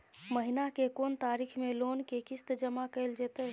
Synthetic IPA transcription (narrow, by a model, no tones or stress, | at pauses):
məɦinakekont̪aɾikʰmelonkekist̪d͡ʒəmakəɪld͡ʒet̪əɦ